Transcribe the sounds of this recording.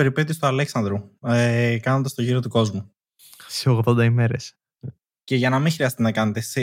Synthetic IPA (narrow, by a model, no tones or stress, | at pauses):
eɾipet̪iest̪oɐle̞ksɐnd̪ɾuekɐnond̪ɐst̪o̞ʝiɾo̞t̪uko̞zmu | seoɣðond̪ɐimeɾḛs | ce̞ʝɐnɐmĩxɾiɐse̥it̪e̞nɐkɐne̞t̪esi